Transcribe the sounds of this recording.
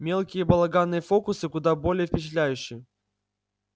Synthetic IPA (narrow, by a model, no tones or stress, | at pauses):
mʲe̞lˠkʲɪjəbɐlˠɐɡanːɨjəfo̞kʊsɨkʊd̪abolʲɪjəfpʲɪt͡ɕɪt̪̬lʲæjʉɕːɪjə